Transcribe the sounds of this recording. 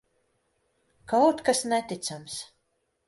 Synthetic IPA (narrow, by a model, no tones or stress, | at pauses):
kawt̪kasnɛt̪it̪sams